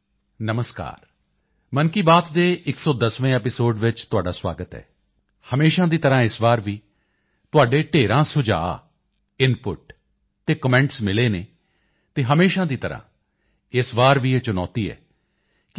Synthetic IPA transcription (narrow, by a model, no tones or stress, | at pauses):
nəməska̰ːɾ | mənkiːbaːt̪d̪eːʔɪksɔːd̪əsʋẽːɛːpɪsoːɖʋɪt͡ʃt̪ʊaːɖaːswa̰ːɡət̪ɛ̰ː | həmeːʃãːd̪iːt̪əɾãːɪsbaːɾʋiː | t̪ʊaːɖeːʈeːɾãːsʊd͡ʒa̰ː | ɪnpʊʈ | t̪eːkəmɛ̃ːɳʈsmɪleːneː | t̪eːɦəmeːʃãːd̪iːt̪əɾã̰ː | ɪsbaːɾʋiːeːt͡ʃʊnɔ̰ːt̪iːɛ̰ː | k